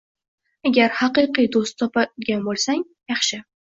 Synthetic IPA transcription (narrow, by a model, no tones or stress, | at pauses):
aɡʲaɾhɑqɨqɨjd̪ost̪ʰːɒpaɡʲanbolˠsaŋ | jɑχʃɪ